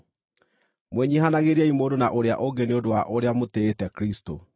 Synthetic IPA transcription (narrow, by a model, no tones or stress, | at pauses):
mwɛɲiɦanaɣeɾiaimoːdonaʔoɾea̰ʔoɡeneodowaʔoɾeamoteːtɛkɾisto̰